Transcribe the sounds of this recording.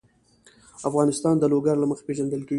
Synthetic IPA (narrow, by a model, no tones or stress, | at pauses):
afɣɑnɪst̪ɑnd̪əloɡaɾlaməxḁpeʒand̪əlkeɡi